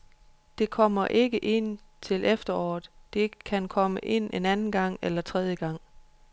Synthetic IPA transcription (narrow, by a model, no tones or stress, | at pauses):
d̥e̝kʰɒ̽mɐʔe̝ɡ̥əʔe̝n̰t͡sʰe̝lʔefd̥ɐɒ̰ːð̩ˠd̥e̝kʰænkʰɒ̽məʔe̝n̰e̝nænn̩ɡ̥ɑ̈ŋ̰elɐt͡sʰʁɛð̞ˠjəɡ̥ɑ̈ŋ̰